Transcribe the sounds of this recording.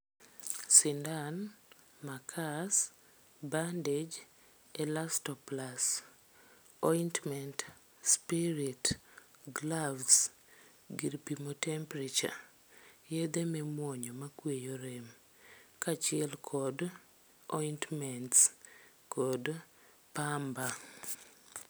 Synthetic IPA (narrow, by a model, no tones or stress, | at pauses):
sɪndan | makʰas | banded͡ʒ | ɛlastɔplas | ɔjntmɛnt | spiɾitɡlavs | ɡiɾpimotɛmpɾit͡ʃa̰ | jed̪ememwɔɲɔmakwejoɾem | kat͡ʃɪɛlkʰɔd | ɔntmɛnts | kɔd | pamba